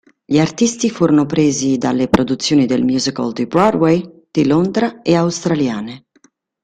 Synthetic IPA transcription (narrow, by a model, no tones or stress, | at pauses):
ʎiart̪ist̪ifuːɾonopɾeːzid̪a̰lːepɾʔod̪ut̪sːjoːnid̪elmjuːzika̰ld̪ibɾadwej | d̪̥ilond̪ɾaeawst̪ɾaljaːne